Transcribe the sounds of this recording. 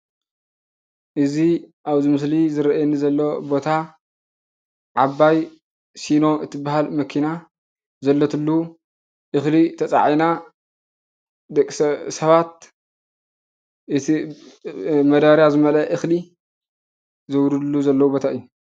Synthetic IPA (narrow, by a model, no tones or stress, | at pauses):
ʔɨziʔaβzɨmɨs̬lizɨɾɐʔajɛnizɐlːobo̞t̪ʰa | ʕaβːaj | sino̞ʔɨt̪ʰibaɦalmɐkʰina | zɐlːɐt̪ʰɨlːu | ʔɨxlit̪ʰɐt͡sʼa̰ʕina | d̪ɐkʼsɐβat̪̚ | ɨt̪ʰi | mɐd̪aɾjazɨmɐlɐʔɨxli | zɐwɾud̪lːuzɐlːɐwubo̞t̪ʰaɨjːu